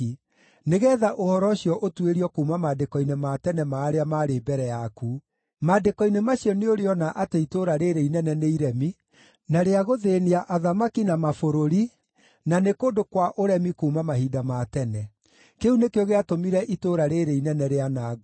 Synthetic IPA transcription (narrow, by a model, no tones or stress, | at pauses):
neɣɛːðaʔohɔɾɔɕjɔʔotweɾiɔkuːmamadekɔinematɛnɛmaːɾeamaːɾebɛɾɛjaku | maːdekɔinemaɕiɔneoɾeɔnaʔateitoɾaɾeɾeinɛnɛneiɾɛmi | naɾeaɣoðeniaʔaðamakinamafoɾoɾi | nanekoːdokwaʔoɾɛmikuːmamaɦidamatɛnɛ | keunekeoɣeatomiɾɛʔitoɾaɾeɾeinɛnɛɾeanaːɣ